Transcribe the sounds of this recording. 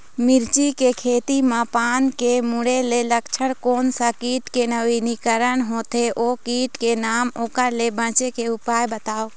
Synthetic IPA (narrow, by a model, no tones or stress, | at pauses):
mɪɾt͡ʃikekʰeːt̪imãpaːnkemʊɽeleləkt͡ʃʰəɽkoːnsakiːʈkenəʋiːnikəɾənɦoːt̪eʔoːkiːʈkenaːmoːkəɾlebə̃ːt͡ʃekeʊpaːjbət̪aːoː